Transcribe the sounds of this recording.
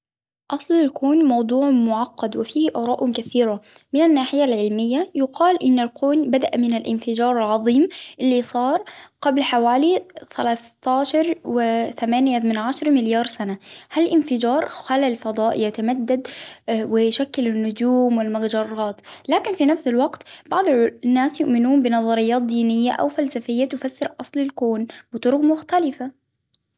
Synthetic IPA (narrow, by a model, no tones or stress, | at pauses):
ʔɑsˤlalkoːnmɑwd̪ˤuːʕmʊʕɑqːɑd̪wɪfiːhʔɑːɾˤɑːʔʊkaθiːɾa | mɪnanːaːħɪjalʕɪlmɪjːajʊqɑːlʔɪnːalkʰoːnbad̪aʔmɪnalʔɪnfɪd͡ʒɑːɾˤɑlʕɑðˤiːmʔɪlːisˤɑːɾˤqablħawaːliθalaːθt̪aːʃɑɾˤwɪθamaːnjamɪnʕaʃɑɾˤmɪljɑːɾˤsanahalʔɪnfɪd͡ʒɑːɾˤxallfɑd̪ˤɑːʔjat̪amad̪ːad̪wɪʃakːɪlɪnːʊd͡ʒuːmwɪlmaɡd͡ʒɑrˤːɑːt̪laːkɪnfinafsɪlwaqt̪b̥ɑʕd̪ˤnːaːsjʊʔmɪnuːnbɪnɑðˤɑɾɪjːɑːt̪̚d̪iːnɪjːaʔa̰wfalsafɪjːat̪ʊfasːɑɾˤʔɑsˤlɪlkoːnbɪt̪ˤʊɾʊqmʊxt̪alɪfa